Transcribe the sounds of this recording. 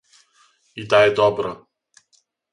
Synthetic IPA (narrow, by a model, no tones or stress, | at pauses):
it̪aɛd̪ɔbɾɔ